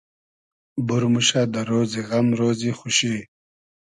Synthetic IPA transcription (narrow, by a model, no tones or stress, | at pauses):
buɾmuɕad̪aɾoːziɣɐmɾoːzixuɕiː